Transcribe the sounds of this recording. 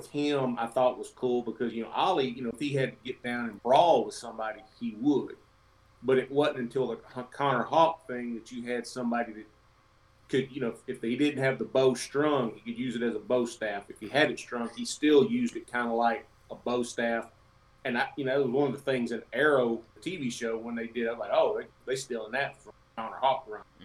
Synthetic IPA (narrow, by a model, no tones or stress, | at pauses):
wɪð̥ɪ̃ma̰ɪθɔɾəʔ̚wʌz̥kʰulˠbəkʰʌzjɨnoʊʔɑlˠijɨñoʊəfhiɨd̚tɨɡɛt̚d̥ãʊ̃nɨ̃nbɹɔlˠwəð̥sʌ̃mbɑɾiiwəd̥̚ | b̥ʌɾɨʔ̚wʌzn̩ɨ̃ntʰɪlˠðəhkʰɑnə˞hɑp̚θɪ̃ŋðɨt͡ʃɨɨd̥sʌ̃mbɑɾiðɨt̚ | kʰɨd̚jɨnoʊɨfðeɪdɪdⁿn̩t̚ɦɨvðəboʊstɹ̥ʌ̃ŋhikɨd̚jʉzɨɾɨzəboʊstæfɨfhiɨɾɨtstɹ̥ʌ̃ŋistɪlˠjʉzdɨt̚kʰãɪ̃ndəlaɪk̚ | əboʊstæf | ɨ̃naɪjɨnoʊðɨt̚wʌzwʌ̃nʌvðəθɪ̃ŋzɨ̃nɛɹoʊtʰiviʃoʊwə̃nðeɪdɨɾawlaɪoʊðeɪðeɪstɪlˠə̃nðɨtfɹʌ̃mkʰɑnə̰˞hɑk̚ɹʌ̃n